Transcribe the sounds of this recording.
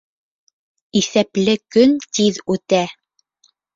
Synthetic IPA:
iθæplɘkɵnt̪iðʉt̪æ

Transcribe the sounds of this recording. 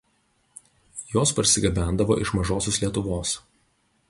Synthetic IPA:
joːspɐɾʲsʲɪɡʲɐbʲæˑnd̪ɐʋo̰ːʔɪʃmɐʒoːsʲoːslʲiɛt̪ʊʋoːs

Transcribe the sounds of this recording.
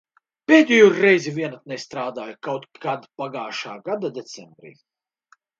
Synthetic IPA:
pʲeːd̪ʲɛjuɾːɛjzʲivʲiɛnat̪̚nɛst̪ɾaːd̪aːjukawt̪kad̪paɡaːʃaːɡad̪ad̪ʲet̪sɛmbɾḭː

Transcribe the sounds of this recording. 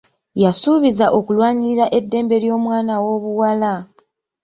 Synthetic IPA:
jasuβizaʔo̞kulwaːɲiɾaʔe̞dːe̞ːmbe̞ɾjo̞ːmwaːnawo̞ːβuwala

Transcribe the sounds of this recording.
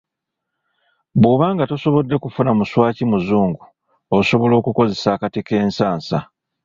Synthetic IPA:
buβaːŋɡato̞so̞βo̞dːe̞kufunamuswaːcimuzuːŋɡu | oso̞βo̞lo̞ːkuko̞ze̞saːkatike̞ːnsaːnsa

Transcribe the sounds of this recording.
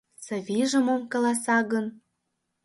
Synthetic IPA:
sɤ̆βiʒə̆momkɤ̆lɑsɑɣə̆n

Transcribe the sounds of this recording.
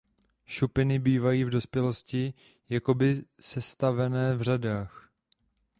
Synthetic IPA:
ʃupɪnɪbiːvajiːvdo̞spjɛlo̞scɪ | jako̞bɪsɛst̪avɛnɛːvr̝adaːx

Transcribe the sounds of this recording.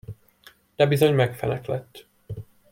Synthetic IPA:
d̪̥ɛbizo̞ɲmɛkfɛnɛklɛt̪ː

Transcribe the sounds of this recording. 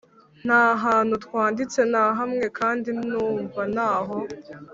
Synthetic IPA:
n̥aːɦaːn̤̥utwaːndit͡se̞naːɦamŋe̞kaːndinuːɱvanaːɦo

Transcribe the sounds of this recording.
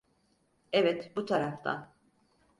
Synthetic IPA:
ɛvɛt̪but̪ʰaɾaft̪ʰa̰n

